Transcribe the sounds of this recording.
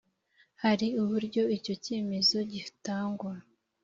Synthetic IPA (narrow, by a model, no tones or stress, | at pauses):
haɾiuβuɾɟo̞ico̞ce̞ːme̞zo̞ɟi̥taːŋɡuɾa